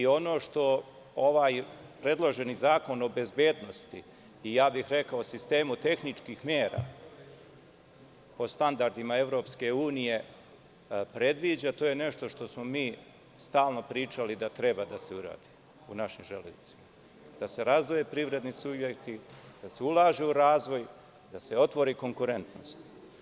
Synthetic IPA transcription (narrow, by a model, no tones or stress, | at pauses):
io̞no̞ʃt̪o̞ | oʋaːjpɾe̞d̪lˠo̞ʒe̞nizaːko̞no̞be̞zbje̞ːd̪no̞st̪ḭ | ijaːbixɾe̞kaoosist̪e̞ːmut̪e̞xnit͡ʃkixmjeːɾa̰ | o̞st̪and̪aɾd̪imae̞vɾo̞ːpske̞uːnije̞ | pɾe̞d̪ʋiːd͡ʑat̪o̞ːjene̞ʃt̪o̞ʃt̪o̞smo̞miː | st̪aːlˠno̞pɾiːt͡ʃalid̪at̪ɾe̞bad̪ase̞uɾa̰ːd̪i | unaʃimʒelezit̪si̥ma | d̪̥ase̞ɾazd̪ʋoje̞pɾiʋɾe̞d̪nisubjekt̪id̪̥ase̞ulˠaːʒeuɾaːzʋo̞j | d̪ase̞o̞t̪ʋo̞ɾiːko̞ŋkuɾe̞nt̪no̰st̪